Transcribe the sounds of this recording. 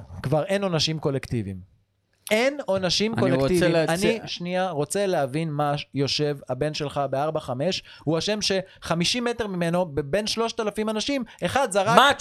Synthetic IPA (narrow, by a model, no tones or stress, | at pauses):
kvaʁe̞no̞naʃimko̞lekt̪ivḭm | e̞no̞naʃimkkolektivilanniʃniaʁo̞t͡se̞leavinmajo̞ʃe̞vabe̞nʃe̞lχabeaʁbaχame̞ʃ | huaʃe̞mʃe̞χamiʃime̞te̞ʁmime̞no̞bebe̞nʃlo̞ʃt̪alafimanaʃime̞χad̪zaʁama